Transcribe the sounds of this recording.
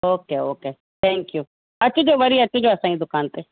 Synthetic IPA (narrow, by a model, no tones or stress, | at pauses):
oːkeːoːkeː | t̪ʰɛ̃ːŋkjuː | ət͡ʃd͡ʒoːʋəɾiːət͡ʃːʰd͡ʒoːəsãːĩd̪ʊkaːnt̪eː